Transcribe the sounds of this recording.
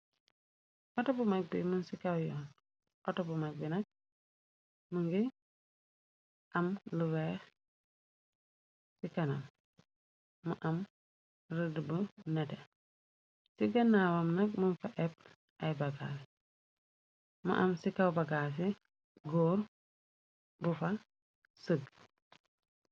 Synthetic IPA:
ʔɔtɔbumɐk̚bimunsikɐwjɔːn | ʔɔtɔbumɐk̚binɐk̚ | muŋɡi | ʔɐmluwɛːx | sikɐnɐm | ɐʔɐm | rədbənɛtɛ | siɡɐnːaːwɐmnɐk̚munfɐʔɛp̚ | ɐjbɐɡa̰s | mɐ̰ʔɐmsikɐwbɐɡas̬i | ɡoːɾ | bufɐ | səɡ

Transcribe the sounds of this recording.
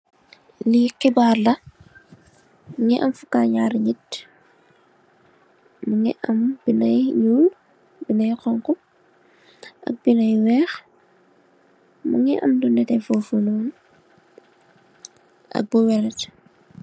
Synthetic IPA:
liqibaːɾlɐ | ŋiʔɐmfukaːɲaːɾɲit | mɐŋḭʔɐmbinɐjjuːl | binɐjqɔŋkɔ | ʔɐ̰k̚binɐjwɛːx | mɐŋiʔɐ̰mdunɛtɛfɔfunɔn | ʔɐ̰k̚buwɛɾɛt

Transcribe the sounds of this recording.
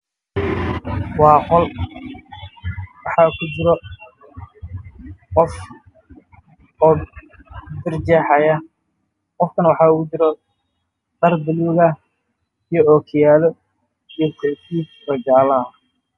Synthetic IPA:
wɑːqɔl | wɑħɑːkʰʊt͡ʃɪɾɔ | qɔf | ɔː | d̪ɪrd͡ʒɛħajɐ | qɔfkʰɐnwɑħɑːʊt͡ʃɪɾɔ | d̪ɐrd̪ɪluːɣɐ | ijɔɔːkʰɪjaːlɔ | ijɔsɛt̪ʰiːsrɐɡaːlɐ

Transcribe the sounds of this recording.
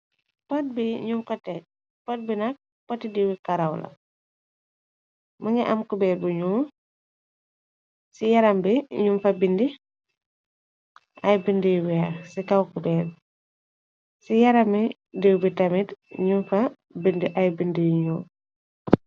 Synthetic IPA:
pɔt̚biɲuŋkɔtɛk̚ | pɔt̚binɐk̚ | pɔtidiwikɐɾawlɐ̰ | mɐŋɛʔɐmkubɛːbuɲuː | sijɐɾɐmbiɲunfɐbindi | ʔɐjbindijwiɐsikɐwkubɛːl | sijɐɾɐmi | diwbitɐmitɲunfɐ | bindiʔɐjbindijɲuː

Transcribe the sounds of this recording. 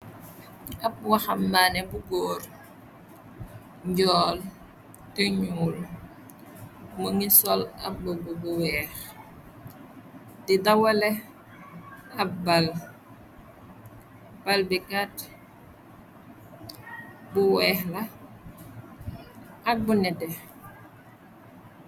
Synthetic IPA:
ɐp̚waxɐmːanɛbuɡoːr | ɲɟɔːl | təɲuːl | məŋisɔlɐbəbɔbuwɛːx | didɐwɐlɛ | ɐbal | b̥albikat | buwɛːxlɐ | ɐk̚bunɛdɛ

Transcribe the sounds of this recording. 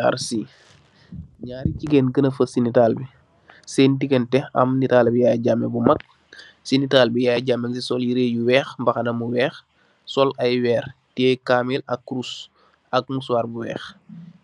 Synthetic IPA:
a̰ɾsi | ɲaːɾiciɡenɡənɐfɐsinitaːlbi | seːntiɡentɛɐ̰mnitaːlbijaːɟamɛbumɐk̚ | sinitaːlbijaːɟamɐɡsisɔljiɾejuwɛːxmbɐxɐnɐmuwɛːx | sɔlɐjwɛːr | teːkaːmilɐkːɾus | ɐk̚muswaːrbuwɛ̰ːx

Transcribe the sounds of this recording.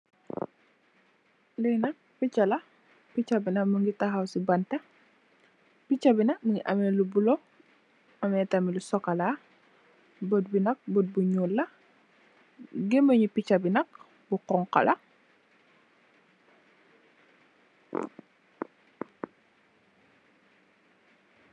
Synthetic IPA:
lɛjnɐk̚pit͡ʃːɐlɐ | pit͡ʃɐbinɐməŋɡitɐɦɐwsibɐntɐ | pit͡ʃɐbinɐməŋiʔɐmɛːlubulɔ | ɐmɛːtɐmilusɔkɐla | bət̚binɐk̚bət̚buɲulːɐ | ɡeməɲupicɐbinɐk̚ | buqɔŋqɐ̰lʔɐ

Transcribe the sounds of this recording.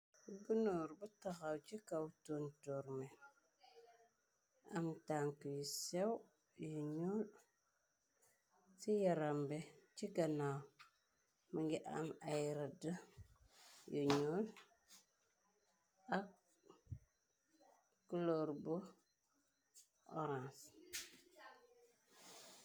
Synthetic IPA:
ɡunoɾbutaɣawt͡ʃikawtontoɾme | a̰mtaŋkəjisew | jiɲol | tijaɾambet͡ʃiɡana | məŋɡiʔa̰majɾədə | jiɲol | ak | kːuloɾbo | o̰ɾãns

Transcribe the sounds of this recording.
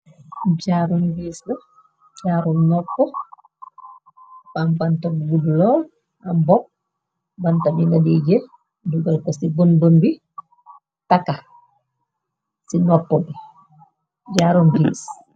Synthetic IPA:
ɟaɾunɡislɐ | d͡ʒaːɾunnɔpːɔ | bambantabuɡudlɔ | ambɔp̚ | bantabinadiɟɛ | duɡalkɔsibɔnbɔnbi | taka | sinɔpːɔbi | ɟaɾɔnviːs

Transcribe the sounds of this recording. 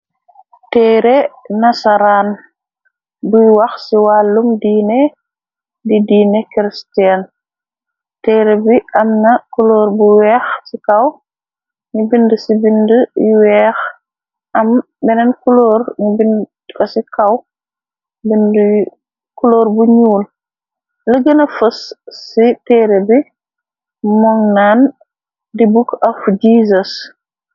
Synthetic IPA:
tɛːɾenɐsɐɾan | bujwɐxsiwalːumdiːne | didiːnɛkɾistan | tɛːɾɛbiʔɐmnɐkuloːɾbuwɛːxsikɐw | ɲibindəsibindəjwɛːx | ɐm | bɛnɛnkulɔːɾɲubin | kɐsikɐw | bind | kuloːɾbuɲuːl | ləɡənɐfɐsːitɛːɾebi | mɔŋnan | dibukɐfd͡ʒiːzɐs

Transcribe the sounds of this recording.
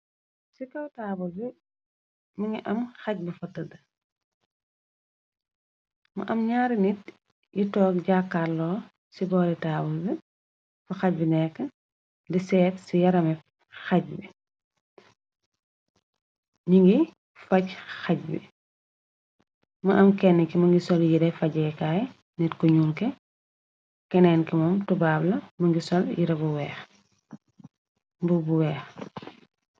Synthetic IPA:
sikɐwtaːbulbi | miŋɡiʔɐmxɐc̚bifɐtːɐdɐ | mɐ̰ʔɐmɲaːɾinit | jitɔːk̚ɟakːaːlɔː | sibɔːɾitaːbulbi | fɐxɐc̚binɛkːən | disɛːtsijɐɾɐmɛ | xɐc̚bi | ɲiŋɡi | fɐcxɐc̚bḭ | mɐʔɐmkɛnːəkimɐŋɡisɔljiɾɛfɐɟɛkaːj | nɛtkɔɲuːlkɛ | kɛnɛːnkimɔmtubaːblɐmɐŋɡisɔljiɾɐbuwɛːx | mbubuwɛːx

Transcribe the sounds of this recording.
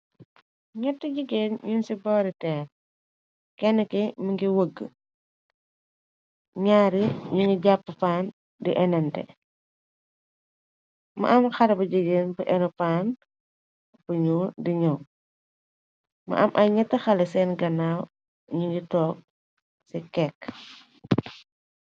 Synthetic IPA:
ɲɛtːiɟəɡeːnɲunsibɔːɾitɛːn | kɛnːəkimɐŋɡiwəɡːə | ɲaːɾiɲuŋɡiɟapːəfaːn | diʔɛnɐntɛ̰ | mɐ̰ʔɐmxɐɾɐbɐɟəɡeːnbuʔɛnɐfaːn | bəɲuːdiɲɐw | mɐ̰ʔɐ̰mʔɐjɲɐtːɐxɐlɛsɛːnɡɐnaːw | ɲuŋɡitɔːk̚ | sikɛkː

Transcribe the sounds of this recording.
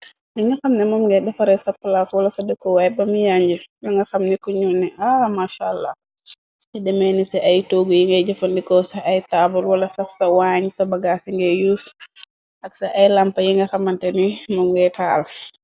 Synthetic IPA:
diŋɡɐxɐmnɛmɔmŋɡɛdɛfɐɾɛsɐplaswɐlɐsɐdɛkɔwajbɐmijaɲd͡ʒijɔŋɡɐxɐmnikɔɲunːɛʔamaʃalːa̰ | jidɛmɛnisɛʔajtoɡujiŋɡɛɟɐfɐndikɔsɐːjtaːbulwɐlɐsɐfsɐwaɲsɐbɐɡasiŋɡɛjus | ʔɐksɐʔɐjlampɐjiŋɡɐxɐmɐntɛnimɔmŋɡɛtʰaːl

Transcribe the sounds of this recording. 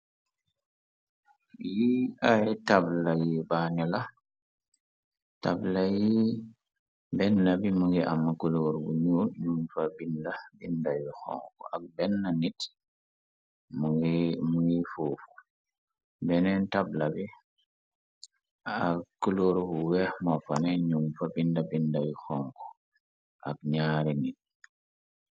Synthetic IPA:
jiajtablajibaɲɔla | ta̰blaji | bɛnːabimuŋɡiamːakuloɾbṵɲununfabinlabindajuxɔ̰̃ŋkɔ̰ʔak̚bɛnːanit | mumuŋɡifufu̥ | bɛnɛntablabi | akkːuloɾbuwɛhmɔfanɛɲumfabindabindawixɔŋkɔ̥ | ʔa̰kɲaːɾinit̚

